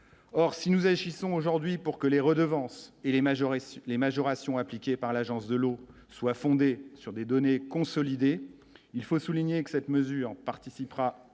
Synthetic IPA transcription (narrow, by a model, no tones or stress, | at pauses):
ɔʁsinuzaʒisɔ̃oʒuʁd̪ɥipuʁkəleʁəd̪əvɑ̃seʒlemaʒɔʁasjɔ̃aplikʲepaʁlaʒɑ̃sd̪əlo | swafɔ̃d̪esyʁd̪ed̪ɔnekɔ̃sɔlid̪e | ilfosuliɲekə̥sɛt̪məzyːʁpaʁt̪isipχa